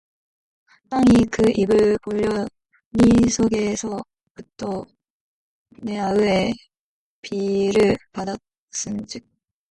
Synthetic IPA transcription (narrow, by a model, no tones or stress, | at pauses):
t͈aŋikɯibɯɭpoʎːʌ | nisʰoɡe̞sʰʌ | kɯtʰːo | ne̞aɯe | piɾɯɭpada | s͈ɯnd͡ʑik̚